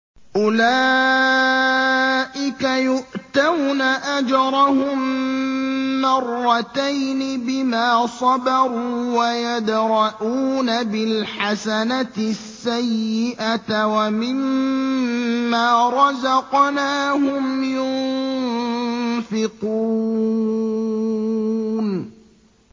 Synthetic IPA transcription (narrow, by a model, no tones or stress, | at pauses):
ʔʊlaː | ʔɪkajʊʔt̪awnaʔad͡ʒɑɾˤɑhʊm | ɑrˤːɑt̪ajnɪbɪmaːsˤɑbɑɾˤuːwajad̪ɾˤɑʔuːnabɪlħasanat̪ɪsːajːɪʔat̪wamɪm | aːɾˤɑzɑqnaːhʊmjʊnn | fɪquː | n